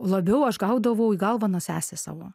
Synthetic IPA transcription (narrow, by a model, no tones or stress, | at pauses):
lˠɐbʲɛʊɐʃɡɐʊd̪ɐʋɐʊiɡɐlˠʋɑnosʲæːsʲesɑ̰ːʋoː